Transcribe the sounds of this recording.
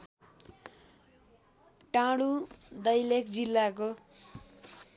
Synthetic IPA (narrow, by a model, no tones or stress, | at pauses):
ʈãɽud̪ʌjlekd͡zilːak̬o